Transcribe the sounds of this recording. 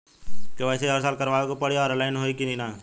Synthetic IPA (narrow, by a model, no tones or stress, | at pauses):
keʋɛːseɦəɾsaːlkɐɾʋaːʋekopɐɽ̤eɔːɾəlaːɪnɦoːikininaː